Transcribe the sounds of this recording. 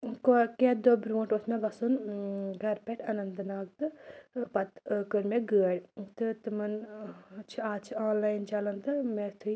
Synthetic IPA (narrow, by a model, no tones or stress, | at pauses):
koked̪obɾũːɳʈosmeɡɐsunɡʱɐɾpeʈʰɐnɐnd̪ɨnaːɡ̚t̪ɨpɐt̪kəɾmeɡəːɽt̪ɨt̪ɨmɐn | t͡ʃʰiaːt͡ʃʰiaːnlaːjnt͡ʃɐlɐnt̪ɨmet̪ʰu